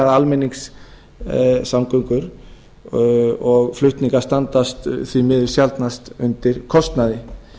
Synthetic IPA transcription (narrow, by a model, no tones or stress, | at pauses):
aðalmɛniŋks | samkœŋkʏɾ | ɔɣflʏht̪niŋkaɾ̥st̪ant̪ast̪θvimɪðʏ̥sjalt̪nast̪ʏnt̪ɪɾ̥kʰɔst̪naðɪ